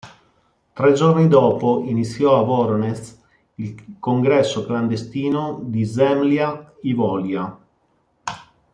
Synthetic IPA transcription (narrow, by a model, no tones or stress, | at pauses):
t̪ɾɛd͡ʒornid̪ɔːpoinit̪sːjɔavɔɾones | ilkoŋɡɾɛsːokland̪est̪iːnod̪izɛmljaivɔːlja